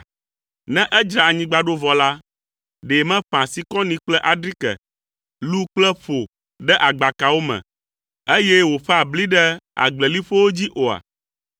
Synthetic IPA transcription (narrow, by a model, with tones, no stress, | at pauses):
nɛ̃˦ʔɛ˦d͡ʒɾa˨a˨ɲĩ˦ɡ͡ba˨ɖo˦vɔ˨la˦ | ɖe˨mɛ̃˦ɸã˨si˨kɔ̃˦nĩ˨k͡plɛ˦ʔa˨ɖɾi˦kɛ̰˨ | lu˦k͡plɛ˦ɸo˨ | ɖɛ˦ʔa˨ɡ͡ba˨ka˨wo˦mɛ̰̃˨ | e˦jɛ˦wo˨ɸɛ˦a˨bli˦ɖɛ˦a̰˨ɡ͡blɛ˨li˦ɸo˦wo˦d͡ʑi˦ʔo˨a̰˨